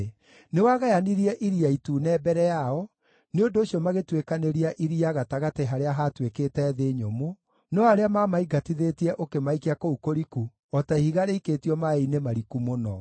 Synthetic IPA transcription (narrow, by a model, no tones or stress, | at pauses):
newaɣajaniɾiɛʔiɾiaituːnɛːbɛɾɛjaɔ | neondoːʃiɔmaɣetwekaneɾiaʔiɾiaɣataɣateɦaɾeaɦatwekeːtɛːðeɲomo | nɔaɾeamamaiɡatiðetiɛʔokemaikiakoukoɾiku | ɔtahiɣaɾeiketiɔmainemaɾikumonɔ